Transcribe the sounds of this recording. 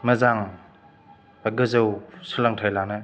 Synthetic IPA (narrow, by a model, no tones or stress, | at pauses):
mɐzaŋ | aɡɯzewsɯlaŋtʰajlanɯ